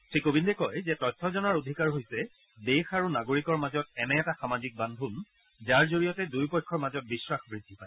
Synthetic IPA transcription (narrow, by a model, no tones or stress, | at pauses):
tʰɹikobindɛkɔjzɛtɔtʰːɔzɔnaɹodʱikaɹɦojsɛ | dexaɹunaɡoɹikɔɹmazɔt̚ɛnɛːtaxamazik̚bandʱun | zaɹzoɹijɔtɛdujpɔjkʰːɔɹmazɔt̚bisɹaxbɹidʱːipaɪ